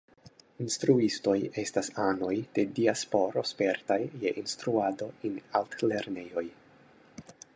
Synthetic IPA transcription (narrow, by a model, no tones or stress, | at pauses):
instɾuisto̞je̞stasano̞jd̥e̞diaspo̞ɾo̞spe̞ɾtajːe̞ʔinstɾuado̞enaltle̞ɾne̞jo̞j